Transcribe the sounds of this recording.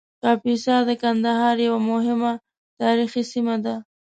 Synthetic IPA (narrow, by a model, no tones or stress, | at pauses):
kɑpisɑd̪əkand̪aɦɑɾjawamʊɦɪma | t̪ɑɾixisimad̪a